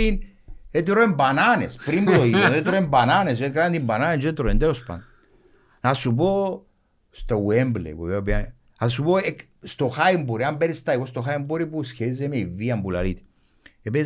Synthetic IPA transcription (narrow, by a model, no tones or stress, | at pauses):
in | et̪̬ɾoembananḛspɾimbut̪oit̪onet̪ɾoembananes̬ekɾant̪imbananend͡ʒet̪ɾoend̪eɾospa̰nd̪ | nasup̬o | st̪owemblḛweveobia | asupoek | st̪oxajmboɾiambeɾist̪aiɣost̪oxaimboɾipusçezemeivːiambula̰lit̪ | epe